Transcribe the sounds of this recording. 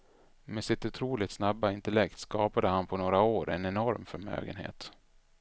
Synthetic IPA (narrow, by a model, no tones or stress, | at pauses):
meːsɪt̪ɵt̪ʰɾuːlɪt̪snabːaɪnt̪əlɛkt̪skɑːpad̪əhanpʰɔnoːɾaoːɾʔɛnɛnɔɾmfœɾmø̰ːɡə̰nhḛːt̪